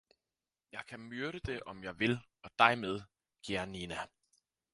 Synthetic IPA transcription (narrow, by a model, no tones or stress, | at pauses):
jɑ̈ɪkʰæmyɐɾ̥əd̥e̝ʔɒ̽mjɑ̈ɪʋe̝lɒ̽d̥ɑ̈ɪmeð̞ˠ | ɡ̥eɐninæ